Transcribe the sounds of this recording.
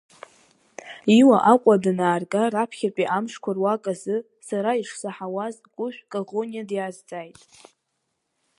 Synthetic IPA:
iwaʔaqʷʼadɨnaːrɡʼarapʰχʲapʼiʔamʂkʷʰarwakʼazɨ | saɾaiʂsaħawazkʷʼʊʃʷᶣkʼaʁonijadjazd͡zʼajtʼ

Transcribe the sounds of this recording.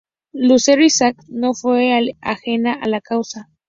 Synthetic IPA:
luseɾisaknofwea̰xenaʔalakawsa

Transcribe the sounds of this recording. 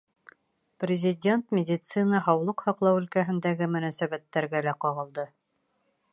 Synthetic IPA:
prʲɪzʲɪdʲe̞nt̪mʲɪdʲit̪sɨnɑɦɑwlˠɤqhɑqlˠɑwɵ̆lkæɦɘ̆nd̪æɡɘmɵ̆næsæβæt̪ːæɾɡælæqɑʁɤ̆lˠd̪ɤ

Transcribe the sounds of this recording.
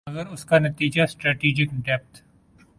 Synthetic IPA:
ɐɡəɾʊskanɐt̪iːd͡ʒasʈɾɛːʈiːd͡ʒɪkɖɛːp̚t̪

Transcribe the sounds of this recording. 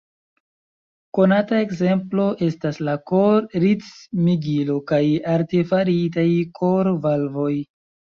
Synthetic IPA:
ko̞natae̞kze̞mplo̞ʔe̞staslako̞ɾɾit͡smiɡilo̞kajaɾte̞faɾitajkʰo̞ɾvalvo̞j

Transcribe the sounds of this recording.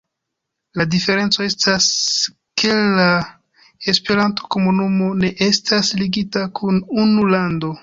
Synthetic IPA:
ladife̞ɾe̞nt͡so̞e̞stas | kʰe̞la | espe̞ɾanto̥ko̞munumo̞ne̞ʔe̞stasliɡitakʰununulando̞

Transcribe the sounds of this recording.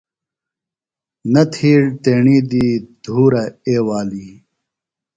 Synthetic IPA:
nɐt̪ʰiːɽt̪eːɳiːd̪iːd̪̥ʱuːɾɐeːwaːliː

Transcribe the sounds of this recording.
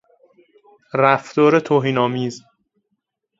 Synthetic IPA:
ɾæft̪ɒːɾet̪ʰoːɦiːnɒːmiːz

